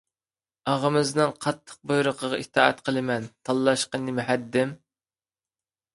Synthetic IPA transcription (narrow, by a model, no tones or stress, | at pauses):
ɑʁəmɨznɨnqʰɑt̪ʰːə̥q̚bojɾʊqʰəʁɑit̪ʰɑ̰ːɛ̰t̪qʰəlˠɨmɛnt̪ʰɑlˠːɑʃqənɪmyhɛd̪ːɪm